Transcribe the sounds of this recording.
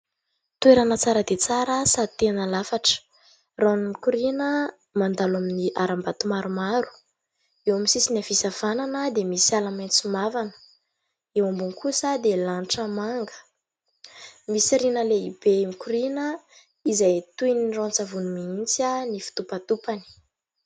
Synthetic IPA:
t̪ueɾanət͡saɾəd̪et͡saɾəsat̪enəlafaʈ͡ʂə̥ | ranimikuɾinə | mand̪alaminiʔaɾambat̪umaɾumaɾu̥ | ewamisisinafisav̥ananəd̪emisialamant͡sumavanə̥ | ewambunkusəd̪elanʈ͡ʂəmaŋɡə̥ | misiɾinəleib̥emikuɾinə | izajt̪ujniront͡savunumiint͡sanifi̥t̪upat̪upani̥

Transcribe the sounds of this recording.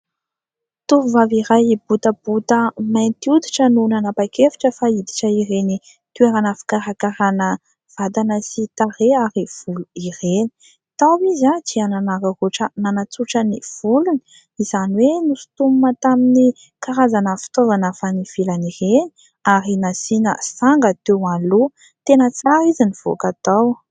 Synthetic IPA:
t̪uvuvaviɾajbut̪əb̥ut̪əmajnt̪iud̪iʈ͡ʂənunanapakefi̥ʈ͡ʂəfaid̪i̥ʈ͡ʂəiɾeni | t̪ueɾanəfi̥kaɾakaɾanə | v̥ad̪anəsit̪areaɾiv̥uluireni̥ | t̪awizad͡ʒiananaɾaroʈ͡ʂənanat͡suʈ͡ʂəniv̥uluni̥ | iz̥aniwenufi̥t̪umumat̪amini | kaɾazanəfi̥t̪ozanafaniv̥ilanireni̥ | aɾinasinə̰saŋɡət̪ewalu | t̪enət͡saɾiziniv̥o̰kat̪aw

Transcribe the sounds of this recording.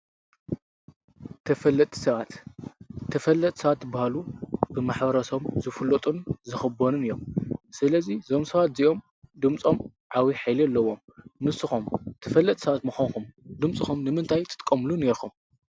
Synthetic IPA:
t̪ʰɐfɐlːɐt̪ʼi̥sɐβat̪ | t̪ʰːɐfɐlːɐt̪ʼsɐβat̪bahalubɨmaħbɐɾɐso̞mzɨfɨlot̪ʼunzɨxɨbonɨnɨjːo̞msɨlɐzizomsɐβat̪ziʔo̞m | d̪ɨmt͡sʼo̞m | ʕawiħajlialːɐwːo̞m | nɨsɨxumt̪ʰɐfɐlːɐt̪ʼsɐβat̪mɨxonkumd̪ɨmt͡sʼɨxumnɨmɨnt̪ʰajt̪ʰɨt̪ʼkʼːɐmluneɾxum

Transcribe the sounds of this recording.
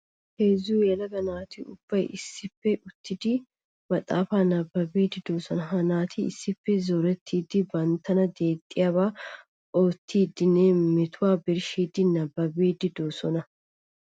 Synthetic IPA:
heːzːuːjɛlɐɡɐnaːt̪iʊb̥ːɐjʔɪsːɪfːɛʔʊt̪ʰːɪd̪ɪ | mɐt̪ʼaːfaːnɐbːɐbeːd̪ɪd̪oːsɔnɐɦɐnaːt̪ʰiɪ̰sːɪfːɛzɔɾɛt̪ʰːiːd̪ɪbɐnt̪ːɐnɐd̪eːt̪ʼːɪjabaː | oːt̪ʰːiːd̪ːɪneːmɪt̪ʰʊwaːbɪɾʃiːd̪ɪnɐbːɐbeːd̪ɪd̪oːsɔnɐ

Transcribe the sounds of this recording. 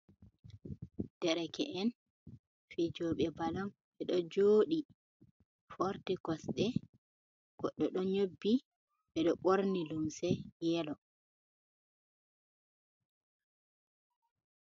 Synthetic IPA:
d̥ɛɾɛkɛ̰ʔɛn | fid͡ʒɔɓɛbalɔn | ɓɛɗɔd͡ʒoːɗi | foɾtiɡɔsɗɛ | ɡ̥ɔɗːɔɗɔɲobːi | ɓɛɗɔɓoɾnilumsɛjɛlɔ

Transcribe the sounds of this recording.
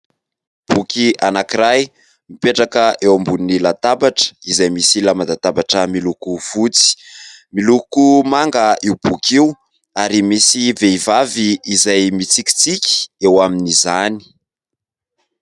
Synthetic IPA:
b̥ukianakiɾaj | mipeʈ͡ʂakəʔewambunilat̪abaʈ͡ʂə̥izajmisilamad̪at̪abaʈ͡ʂəmilukuv̥ut͡si̥milukumaŋɡəiwb̥ukʲiw | aɾimisiveivaviːzajmit͡sikʲi̥t͡sikʲi̥ewaminizani̥

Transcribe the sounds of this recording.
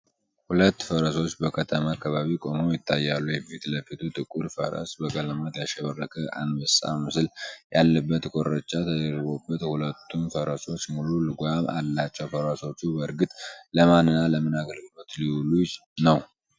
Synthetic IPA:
hulət̪ːfəɾəso̞t͡ʃːbəkʰət̪ʰəmakʰːaβaβikʼo̞mojɪt̪ʰːajːalːujɛfit̪ləfit̪ʰut̪ʼɨkʼːuɾfə̰ɾə̰sbəkʼələmət̪jaʃɛβərːəkʼəʔa̰nməsa̰mɨsɨljalːəbːət̪kʰʼo̞ɾət͡ʃʼːat̪ʰəd̪əɾɡo̞bːət̪hulət̪ʰːunfəɾəso̞t͡ʃːmululɨɡʷama̰lːat͡ʃːɛwfəɾəso̞t͡ʃːubəɾɡɨt̪ʼləmanːɨnːaləmɨnaɡəlɡɨlo̞t̪liwulunəw

